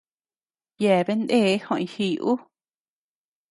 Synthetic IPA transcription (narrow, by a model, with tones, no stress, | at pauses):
jɛː˨be˦nd̪eː˦˨˦hõ˧˨ĩ˧˨hiː˧˨ʔu˦